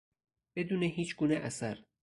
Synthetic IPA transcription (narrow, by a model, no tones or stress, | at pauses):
b̥e̞d̪uːneɦiːt͡ʃʰɡuːneʔæsæɾ